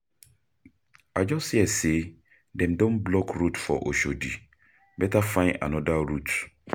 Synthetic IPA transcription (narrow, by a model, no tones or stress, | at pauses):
ad͡ʒɔsiɛse | dɛ̃mdõnblɔkɾutfɔ̰ʔo̰ʃodi | bɛtafãɪ̃na̰nɔdaɾut